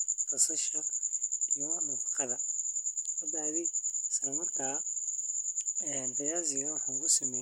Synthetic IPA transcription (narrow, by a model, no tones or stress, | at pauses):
t̪ɐsɐʃɐijɔnɐfɑqɑðɐ | ɐd̪aːðisɐɾɐmɐrkʰaː | ɛnbɐjaːsɪɣɐwɑħaːŋkʰʊsɐmɛ